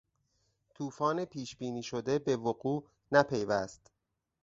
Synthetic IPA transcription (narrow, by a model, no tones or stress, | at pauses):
t̪ʰuːfɒːnepʰiːʃbiːniːʃod̪e̞be̞voɢuː | næpʰe̞jvæst̪